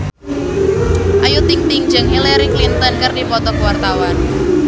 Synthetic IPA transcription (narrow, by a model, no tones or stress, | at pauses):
ʔajut̪ɪŋt̪ɪŋ̥d͡ʒəŋɦilɛɾiklint̪ɔnkɨrdipɔt̪ɔkwart̪awan